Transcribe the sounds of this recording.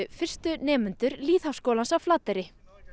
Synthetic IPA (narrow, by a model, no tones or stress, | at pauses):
ʏfɪr̥st̪ʏnɛːmʏnt̪ʏɾliːθhafskoːwlansavflaːt̪ɛɾɪ